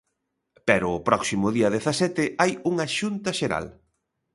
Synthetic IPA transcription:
pɛɾʊːpɾɔksimʊðiɐðeθɐsɛt̪ɪajuŋɐʃunt̪ɐʃeɾa̰l

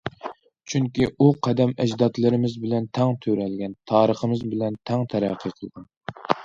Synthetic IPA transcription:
t͡ʃʰyŋkʲiʔuqʰæd̪ɛmɛ̰d͡ʒd̪ɑt̪lˠɨɾɪmɪzbɪlɛnt̪ʰɛŋt̪ʰøɾɛlɡʲɛnt̪ʰɑːɾəχəmɨzbɪlɛnt̪ʰɛŋt̪ʰæɾæ̰qʰːiqʰəlˠʁɑn

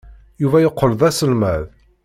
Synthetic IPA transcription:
juvæjəqʰːəlðˤæsəlmæð

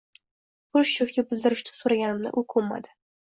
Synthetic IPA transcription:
pʰʊʃt͡ʃofkʲabɪld̪ɪɾɪʃt̪ʰɪ̥soɾaɡʲanɪmnɪ̰ʔʊkʰɵmːa̰d̪ɪ

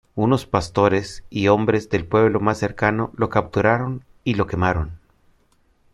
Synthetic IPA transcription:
uno̞spast̪o̞ɾe̞sio̞mbɾe̞zðe̞lpwe̞βlo̞masːe̞ɾkano̞lo̞kap̚t̪uɾaɾo̞n | ilo̞ke̞maɾo̞n

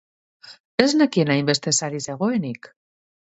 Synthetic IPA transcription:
eznakenaimbest̪esaɾizeɣoenik

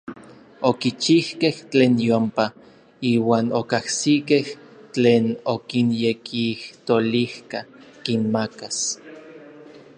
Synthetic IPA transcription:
okit͡ʃihkeht͡ɬeːnjompa | iːwaːnokahsikeht͡ɬeːnokinjekʰiht̪olihkakinmakas

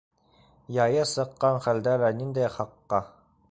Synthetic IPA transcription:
jɑjɤsɤ̆qːɑnχæld̪ælænind̪æjχɑqːɑ

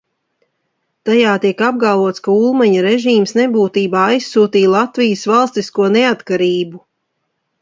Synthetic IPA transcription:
t̪ajaːt̪iɛkab̚ɡalˠvuɔt̪skaulˠmaɲaɾeʒiːmsnebuːt̪iːbaːajsːuːt̪iːlˠat̪vijəsvalˠst̪iskuɔneat̪kaɾiːbu

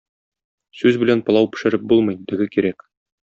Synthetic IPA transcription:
sʉzbɘ̆lænpŏlɑwpɘ̆ʃɘ̆ɾɘp̚bulˠmɤ̆jd̪ɘ̆ɡɘkiɾæk

